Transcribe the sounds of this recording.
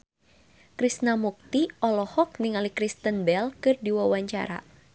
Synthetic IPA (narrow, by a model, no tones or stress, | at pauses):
kɾisnamuk̚t̪iɔlɔhɔk̚niŋalikɾist̪ənbɛlkɨrdiwawaɲt͡ʃa̰ɾa̰